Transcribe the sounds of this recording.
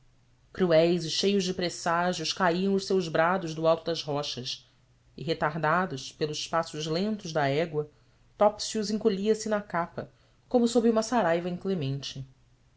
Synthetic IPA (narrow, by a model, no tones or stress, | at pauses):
kɾuɛjzɪʃejʊzd͡ʒɪpɾesaʒjʊʃkaiɐ̃w̃ʊʃsewʒbɾad̪ʊzd̪ʊawˠt̪ʊd̪ɐzɦɔʃɐs | ɪɦet̪aɦd̪ad̪ʊʃpelʊzɪʃpasʊʒlẽnt̪ʊzd̪ɐɛɡwɐ | t̪ɔpsiuzĩŋkoʎiɐsɪnɐkapɐ | kõmʊsobɾɪũmɐsaɾajvɐẽklemẽnt͡ʃɪ